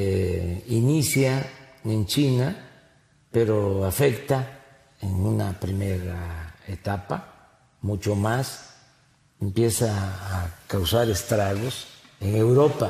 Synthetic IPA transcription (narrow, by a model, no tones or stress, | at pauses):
inisjanent͡ʃina | peɾoafekt̪a | eŋunapɾimeɾaet̪apa | mut͡ʃomas | empjesaː | kawsaɾest̪ɾaɣos | eŋewɾopa